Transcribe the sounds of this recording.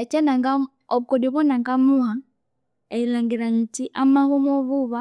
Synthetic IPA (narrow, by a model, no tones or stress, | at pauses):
t͡ʃanaŋɡa | ɔβukɔdiβɔnaŋɡamuha | ɛilaŋɡiɾaɲitiʔamahumɔβuβa